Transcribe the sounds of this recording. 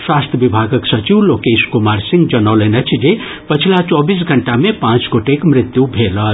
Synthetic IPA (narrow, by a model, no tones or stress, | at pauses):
swast̪ʰjəbibʱaɡʌksʌt͡ʃiwlokeskumaɾsĩŋɡd͡ʒʌnawlenʌt͡ʃʰd͡ʒe | pət͡ʃʰilat͡ʃɔbis̬ɡʱəɳʈamepãt͡sɡoʈekmɾit̪jubʱelʌ